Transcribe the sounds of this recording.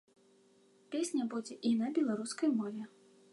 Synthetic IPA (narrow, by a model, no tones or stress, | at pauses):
pʲesʲnʲɐbud͡zʲɛʔinɐbʲɛlˠaɾuskɐjmɔvʲɛ